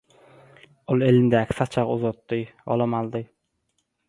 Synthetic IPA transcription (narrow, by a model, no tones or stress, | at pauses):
olˠelɪnd̪ækʲʰsɑt͡ʃʰɑʁuzɑt̪ːɨjo̰lˠɑmɑlˠd̪ɨ